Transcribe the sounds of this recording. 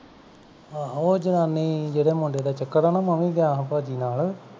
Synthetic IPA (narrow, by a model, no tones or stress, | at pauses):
ɦoːd͡ʒɪnãːnːiːd͡ʒeːɽeːmʊ̃ɳɖeːd̪aːt͡ʃəkːəɾaːnaːməmĩːɡ̪jãːɦpaːd͡ʒiːnaːl